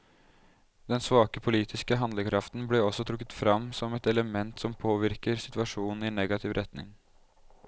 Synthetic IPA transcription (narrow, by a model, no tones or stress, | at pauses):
d̪ɛnsʋɑːkəpʰʊliːt̪ʰɪskəɦɑnd̪ləkʰɾɑft̪n̩bleɔsːɔt̪ʰɾʊkːət̪fɾɑmːsɔmɛt̪ɛləmɛnt̪sɔmpʰoːʋɪɾkəɾsɪt̪ʉɑʂuːnn̩ɪɛnːɛɡɑt̪ʰɪʋɾʔɛt̪nɪ̰ŋ